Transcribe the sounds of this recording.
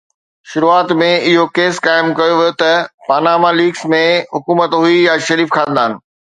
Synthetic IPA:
ʃʊɾuːaːt̪mẽɪɦokeːskaːɪmkɐjoʋijot̪ɐpaːnaːmaliːɡsmẽɦʊkuːmət̪ɦuijaʃɐɾiːfkʰãːnd̪aːɪnɪ̆

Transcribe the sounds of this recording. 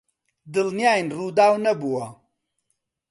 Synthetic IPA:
d̪ɨlnijaːjnruːd̪aːwnɐbuwɐ

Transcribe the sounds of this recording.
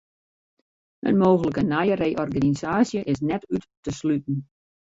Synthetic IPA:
ə̰nmoːɣələkənajərejʔɔrɡanizaːsjəʔɪs̬nɛtytː | əslytn̩

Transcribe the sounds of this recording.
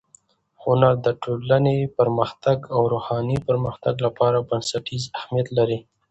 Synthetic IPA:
hʊnaɾd̪əʈolanepaɾməxt̪aɡawɾohɑnipaɾməxt̪aɡlapɑɾabansaʈizahmijat̪laɾi

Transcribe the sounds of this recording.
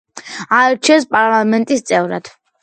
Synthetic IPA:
aɛɾt͡ʃʰiɛnspʼaɾlˠamɛnt̪ʼist̪sʼɛvɾa̰d̪̥

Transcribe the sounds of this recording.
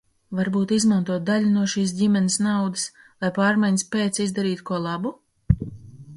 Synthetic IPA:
vaɾbuːt̪izmant̪uɔt̪̚d̪aʎʲunuɔʃiːs̬dʲimʲɛnɪsnawd̪ɨs | lˠajpaːɾmajnʲspʲeːt̪sizd̪aɾiːt̪kuɔlˠabu

